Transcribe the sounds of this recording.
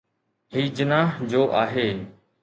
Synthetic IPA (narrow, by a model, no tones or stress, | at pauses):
ɦiːd͡ʑɪnaːɦd͡ʑoːʔa̰ːɦeː